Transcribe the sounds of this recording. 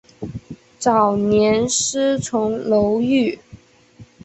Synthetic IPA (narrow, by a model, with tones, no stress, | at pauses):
t͡sɑ˨˩ʊnjɛ˧˥nʂ̩˥t͡sʰʊ˧˥ŋlo˧˥ʊy˥˩